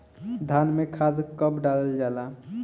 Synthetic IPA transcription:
d̪ʱanmekʰad̪kəbɖald͡ʒala

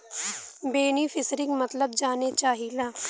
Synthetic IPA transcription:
beːnifʰɪsɾɪ̃ŋɡmɐt̪ləb̚d͡ʒaːnet͡ʃaːɦilaː

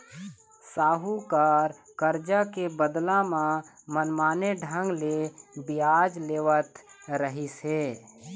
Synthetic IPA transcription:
saːɦukəɾ | kəɾd͡ʒakebəd̪lãmãmənmaːneɖʱə̃ŋɡlebɪjaːd͡ʒleːʋət̪ɾəɦiseː

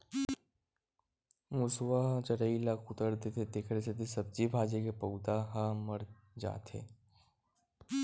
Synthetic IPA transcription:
mʊswaɦãt͡ʃəɾəilakʊt̪əɾd̪et̪ʰed̪ekʰɾeset̪isɐb̚d͡ʒibʱaːd͡ʒekepəʊd̪aɦaməɾ | d͡ʒa̰ːt̪ʰḛː

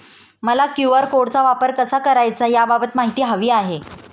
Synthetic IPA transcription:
məlakjuʋəɾkoɽt͡saʋapəɾkəsakəɾajt͡sajababət̪maɦit̪iːɦəʋiːaɦe

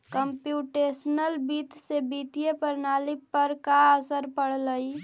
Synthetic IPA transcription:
kəmpjuːʈeːsənəlbiːt̪sebiːt̪ijepəɾnaːlɪpəɾkaəsəɾpəɽ̤ləi

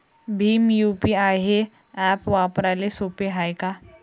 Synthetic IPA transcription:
bʱiːmjuːpiaːjɦe | ɛːpʋapəɾalesoːpeɦaːjka

